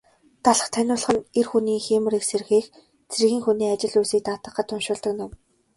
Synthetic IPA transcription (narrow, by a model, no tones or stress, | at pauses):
t̪aɮə̆χt̪ʰænʲʊːɮ̆χə̆nerxuniːxeːmɘ̆rikserxiːx | t͡sʰerɣʲiːŋxuniːat͡ɕɪ̆ɮujsiːk̚t̪aːt̪ə̆qːə̆t̪ʰːʊnʃʊːɮt̪ə̆knʊm